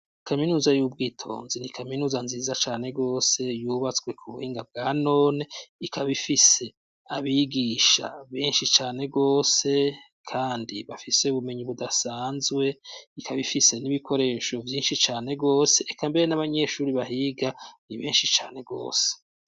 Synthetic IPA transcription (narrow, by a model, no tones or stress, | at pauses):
kʰaminuːzajuːbɡiːtʰo̞̰ːnzinikʰaminuːzanziːzat͡ʃaːne̞ɡo̞ːse̞juːβat͡swe̞kʰuβuhiːŋɡab̚ɡaːno̞ːne̞ikʰaβifise̞ | aβiɡiːʃa̰βeːnʃit͡ʃaːne̞ɡo̞ːse̞ | kʰaːndiβafise̞uβume̞ɲiβudasaːnzɡwe̞ikʰaβifise̞niβikʰo̞ɾe̞ːʃo̞vjiːnʃit͡ʃaːne̞ɡo̞ːse̞ʔːkambe̞ɾe̞naβaɲe̞ʃuːɾiβaɦiɡaniβeːnʃit͡ʃa̰ːne̞ɡo̞̰ːse̥